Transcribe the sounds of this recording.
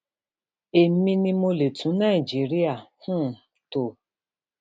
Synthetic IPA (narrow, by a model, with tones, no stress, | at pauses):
e˨˦mi˦ni˦mo˦le˨tʰu˨˦na˦˨i˨d͡ʒi˨ɾi˦a˨hʊ̃˦˨ | to˨